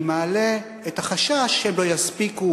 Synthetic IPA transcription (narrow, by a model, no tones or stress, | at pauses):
maːle | ethaχaʃaʃemlo̞jaspiku